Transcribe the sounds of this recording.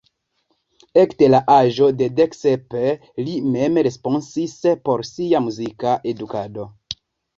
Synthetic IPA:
ektelaʔaʒo̞de̞deksepe | lime̞mɾe̞sponsispo̞ɾsiamuzikaʔe̞dukado̞

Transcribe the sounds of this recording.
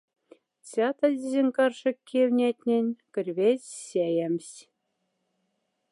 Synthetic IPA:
t͡sʲɑt̪ɑdʲizʲenʲkɑrʂɤ̆kʲʰːewʲnʲetʲnʲĕnʲkʲɘ̆rʲβʲet͡ɕɕejĕmʲsʲ

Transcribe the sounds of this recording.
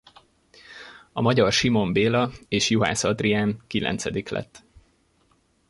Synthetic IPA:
ɒmɒɟɒrʃimo̞mbeːlɒeːʃjuɦa̰ːsɒd̪riaːmkilʔɛ̰nt̪sɛd̪iklɛ̰t̪ː

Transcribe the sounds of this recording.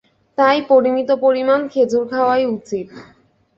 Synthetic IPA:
t̪ajpoɾimit̪opoɾimankʰed͡ʑuɾkʰaoajut͡ɕiʈ

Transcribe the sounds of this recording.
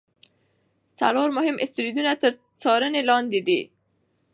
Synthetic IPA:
t͡sa̰loɾmʊɦɪmʔɪst̪ɾid̪unat̪əɾ | t͡sɑɾənelɑnd̪ɪd̪ḭ

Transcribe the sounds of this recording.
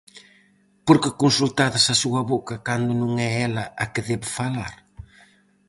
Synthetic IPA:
poɾkɪkunsult̪aðasasuɐβokɐkand̪ʊnũŋɛɛlɐakeðɛβefala̰ɾ

